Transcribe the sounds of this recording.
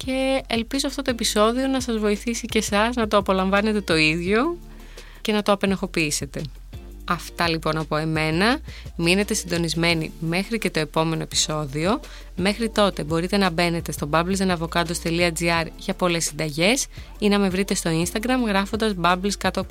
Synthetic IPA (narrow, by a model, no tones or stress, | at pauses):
ce̞ːlpizoɐft̪o̞t̪oepiso̞ðio̞nɐsɐzvo̞iθisice̞sɐznɐt̪o̞ɐpo̞lɐɱvɐne̞t̪e̞t̪o̞iðʝo̞ | ce̞nɐt̪oɐpe̞noxo̞piise̞t̪e̞ | ɐft̪ɐlipo̞nɐpo̞e̞me̞nɐmine̞t̪e̞sind̪o̞nizme̞nḭme̞xɾice̞t̪o̞e̞po̞me̞no̞e̞pi̥so̞ðio̞ | me̞xɾit̪o̞t̪e̞bo̞ɾit̪e̞nɐbe̞ne̞t̪e̞st̪o̞bɐblizenɐvo̞kɐd̪ost̪e̞liɐd͡ziɐɾʝɐpo̞le̞sːind̪ɐʝe̞s | inɐme̞vɾit̪e̞st̪o̞inst̪ɐɡɾɐmɣɾɐfond̪ɐzbɐbliskɐt̪o